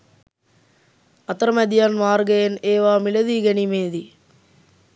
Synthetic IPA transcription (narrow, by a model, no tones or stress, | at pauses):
ɐt̪ɐɾɐmɐd̪ijaːnmaːɾɡɐjeneːʋaːmilɐðiɡɐnimeːd̪i